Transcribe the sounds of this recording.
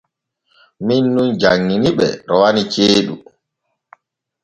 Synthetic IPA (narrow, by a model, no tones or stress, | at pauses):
minːund͡ʒaŋːiniɓɛ̰ɾɔwanit͡ʃeːɗu